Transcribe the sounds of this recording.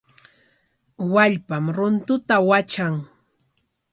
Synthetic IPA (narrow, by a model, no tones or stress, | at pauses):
waʎpamɾʊnt̪ʊt̪awat͡ʃaŋ